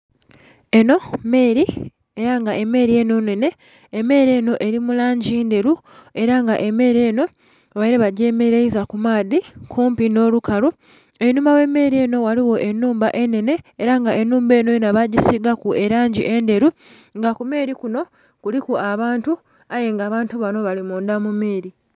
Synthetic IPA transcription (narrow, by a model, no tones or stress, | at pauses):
e̞no̞me̞ːɾi | e̞ɾaŋɡaʔe̞me̞ɾie̞no̞ne̞ne̞ː | me̞ːɾe̞ːno̞ʔe̞ɾimulaːɲɟiːnde̞ɾu | e̞ɾaŋɡaʔe̞me̞ːɾie̞ːno̞ | βaiɾeβaɟe̞ːme̞ɾejizakumaːðikʰuːmpino̞ːlukaɾu | enuːmbawe̞mːe̞ːɾie̞ːno̞waliwo̞ʔe̞nːuːmbaʔe̞ne̞ne̞ːɾaŋɡaʔe̞nːuːmbe̞ːno̞jenaβaɟisiɡakue̞ɾaːɲɟḭʔende̞ɾu | ŋɡakume̞ːɾikuno̞ | kulikuaβaːntu | aje̞ŋɡaːβaːntuβano̞βalimuːnd̪amume̞ːɾi